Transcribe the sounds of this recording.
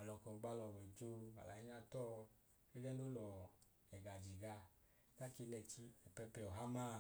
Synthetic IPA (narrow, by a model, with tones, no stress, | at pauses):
a˨lɔ˨kɔ˨ɡ͡ba˧lɔ˨wɛ˨d͡ʒo˧˦a̰˨la˨i˦ɲa˧tɔ˦ | i˦lɛ˦no˦lɔ˨ | ɛ˨ɡa˨d͡ʒi˨ɡa˧˦ | ta˦ki˧nɛ˧t͡ʃi˧ɛ˨pɛ˧pɛ˧ɔ˨ɦa˦ma˦˨